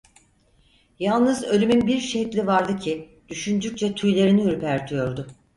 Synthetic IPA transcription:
jalˠnɯzø̞lʲymynbiɾʃɛclʲivaɾd̪ɯcʰi | d̪̥yʃynd͡ʒyc̚t͡ʃʰɛt̪ʰujlʲeɾiniɾipʰæɾt̪ʰyjo̞ɾd̪ʊ

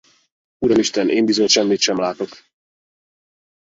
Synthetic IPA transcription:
uɾɒmiʃt̪ɛnʔeːmbizo̞ɲʃɛmːit̪ʃɛmlaːt̪o̞k

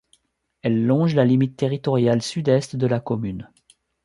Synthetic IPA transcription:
ɛlːɔ̃ʒlalimit̪ːeʁit̪ɔʁjalsyd̪ɛst̪d̪əlakɔmyn

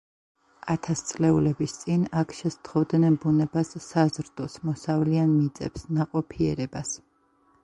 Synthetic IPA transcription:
at̪ʰast̪sʼlɛulɛbist̪sʼinakʰʃɛst̪ʰχɔvd̪nɛnbunɛbasːazɾd̪ɔsmɔsavlianmit̪sʼɛ̰psnaqʼɔpʰiɛɾɛbas

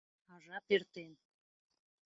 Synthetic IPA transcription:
ɑʒɑpert̪en

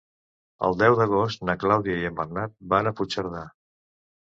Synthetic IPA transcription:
ə̰lˠd̪ɛwðəɣ̞ost̪nəklawðiəiəmbəɾnat̪̚banəput͡ʃəɾða

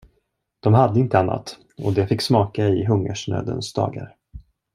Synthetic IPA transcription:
d̪̥ɔmɦad̪ːəɪnt̪əanːa̰t̪ | ɔd̪ɛfɪkːsmɑːkaɪɦɵŋːəʂɳøːd̪ə̰nsd̪ɑ̰ːɡa̰ɾ

